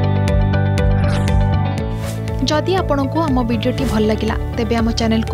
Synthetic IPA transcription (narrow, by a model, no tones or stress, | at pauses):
d͡ʒɔd̪iapɔɽ̃ɔŋkuamɔbiɖijoʈibʱɔlɔlaɡila̰t̪ebeamɔt͡ʃanelku